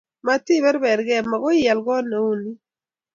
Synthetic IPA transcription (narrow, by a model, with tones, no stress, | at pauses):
ma˦ti˦bɛ˦ɾbɛ˨ɾɡɛ˨ma˨ɡɔ˦jɛ˨lɡɔ˦no˨u˦ni˦